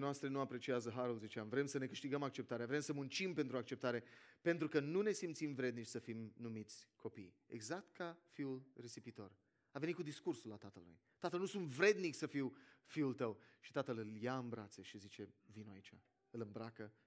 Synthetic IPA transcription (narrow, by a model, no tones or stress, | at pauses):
noast̪ɾe̞nuapɾe̞t͡ʃiazəɦaɾulzit͡ʃeamvɾe̞msəne̞kɨʃt̪iɡəmak̚t͡ʃep̚t̪aɾeavɾe̞msəmunt͡ʃimpe̞nt̪ɾuak̚t͡ʃe̞p̚t̪aɾe̞pe̞nt̪ɾukənune̞simt̪simvɾe̞d̪nit͡ʃʲsəfimnumit̪sʲkʰo̞pḭjḛɡzak̚t̪kʰafiulre̞sipit̪o̞r | ave̞nit̪kud̪iskursulat̪at̪əlːṵj | t̪at̪əlnusunt̪vɾe̞d̪niksəfiwfiult̪əwʃi̥t̪at̪əlɨljaɨmbɾat̪seʃizit͡ʃe̞vinoait͡ʃa̰ | ɨlɨmbɾakə